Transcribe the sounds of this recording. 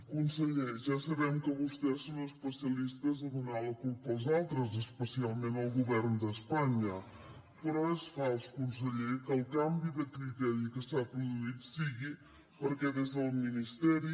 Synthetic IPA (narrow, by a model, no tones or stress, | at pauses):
kunsəʎejʒasɐβɛmkəβust̪ɛsonəspəsiɐlist̪əzəðunaləkulˠpəlˠzalˠt̪ɾəzəspəsialˠmẽnəlˠɣuβɛɾnd̪əspaɲə | pəɾɔɛsfalˠskuns̬əʎejkəlˠkambiðəkɾit̪ɛɾiikəsapɾuðuit̪siɣi | pəɾkɛðezəlˠminist̪ɛɾi